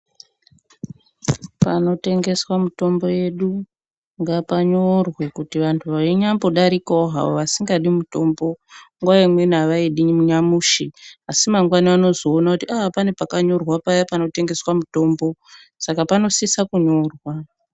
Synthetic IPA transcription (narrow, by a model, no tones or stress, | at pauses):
pano̞te̞ŋɡe̞swamuto̞mbo̞je̞ɗu | ŋɡapaɲorwe̞kutiʋantʰuʋaiɲambo̞ɗaɾikaoɦa̰o̰ʋasiŋɡaɗimuto̞ːmbo̞ŋɡwaimwe̞naʋaiɗiɲimuɲamuːʃiasimaŋɡwaniano̞zoːnakutiapane̞pakaɲo̞rwapajapano̞te̞ŋɡe̞swamuto̞ːmbo̞ | sakapano̞sisakuɲo̞rwa